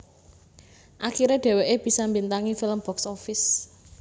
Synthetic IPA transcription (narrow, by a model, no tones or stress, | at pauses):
ʔaxiɾeɖ̥ɛ̤weʔeb̥i̤sambint̪aŋifiləmb̥ɔksɔfɪs